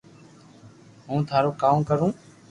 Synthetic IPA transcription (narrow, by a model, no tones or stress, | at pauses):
ɦũːt̪ʰaːɾoːkaːmkəɾũː